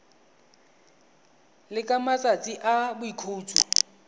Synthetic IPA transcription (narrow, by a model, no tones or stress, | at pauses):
lɪkʼamat͡sʼat͡sʼiʔabʊikʰoːt͡sʼu